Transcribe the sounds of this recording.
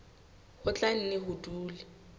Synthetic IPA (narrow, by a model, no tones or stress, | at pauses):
hʊt͡ɬʼan̩nɪɦʊduːli